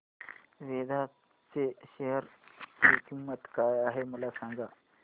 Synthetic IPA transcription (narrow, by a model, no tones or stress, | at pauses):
ʋed̪ʱa | t͡seɕeɦəɾ | kimət̪kajaɦeməlasãŋɡa